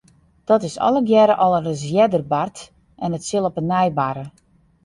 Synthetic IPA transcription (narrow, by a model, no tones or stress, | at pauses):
d̥ɔtɪsɔ̰lˠəɡjɛɾəʔɔlˠərəzjɛdərbart | ʔɛnətsɪlˠɔpənːɛjbaɾə